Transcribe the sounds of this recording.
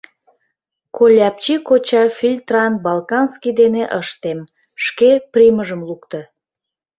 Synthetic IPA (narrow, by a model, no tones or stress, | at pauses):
kolʲɑp̚t͡ɕikot͡ɕɑfʲilʲt̪rɑnbɑlkɑnskid̪eneʔəʃt̪em | ʃkeprʲiməʒəmlukt̪ə